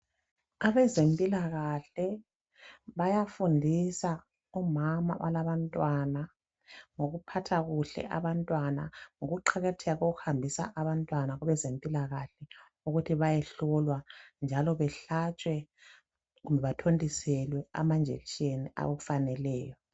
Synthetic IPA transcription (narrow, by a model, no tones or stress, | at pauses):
aβɛzempʼilaɣaɬɛ | βajafundʱisa | ɔmama̰ʔa̰laβantʼwana | ŋoɣupʰatʰaɣuɬɛ̰ʔa̰βantʼwana̰ŋoɣuǃʰɛɣɛtʰɛɣoɣuhambʱisa̰ʔaβantʼwanaɣuβɛzempʼilaɣaɬɛ | uɣutʰiβajɛɬɔlwand͡ʒʱalɔβɛɬat͡ʃʼwɛ | ɣumbʱɛβatʰondʱʼisɛlwɛa̰mand͡ʒʱḛlit͡ʃʼenia̰woufanɛlɛːjɔ